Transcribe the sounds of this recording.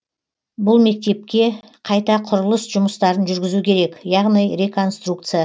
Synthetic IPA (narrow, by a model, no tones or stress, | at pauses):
bʊlˠme̞k̚t̪e̞p̚kʲe̞ | qʰɑjt̪ɑqʰʊɾəlˠəsʒʊməst̪ɑɾənʒʏɾɡʲɪzukʲʰe̞ɾe̞kjɑʁnijɾe̞ko̞nst̪ruk̚t̪sɨja